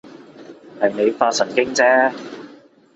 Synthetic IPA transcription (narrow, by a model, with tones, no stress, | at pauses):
hɐ˨jne˨˧jfaː˧sɐ˨˩nkɪ˥ŋt͡sɛː˥